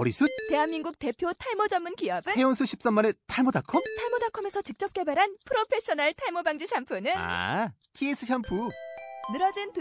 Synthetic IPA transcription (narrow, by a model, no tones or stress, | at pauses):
ʌɾisʰut̚te̞ɦanminɡuk̚te̞pʰjotʰaɭmʌd͡ʑʌmːɯnkiʌbɯheʌnsʰuɕʰi̥p̚s͈amːane̞tʰaɭmodakʰʌmtʰaɭmʌdakʰʌme̞sʰʌt͡ɕik̚t͡ɕ͈ʌp̚k͈e̞baɾɦanpʰɯɾopʰe̞ɕ͈ʌnaɭtʰaɭmobaŋd͡ʑiɕʰampʰɯnɯa̰ | tʰies͈ʰɯɕʰampʰunɯɾʌd͡ʑint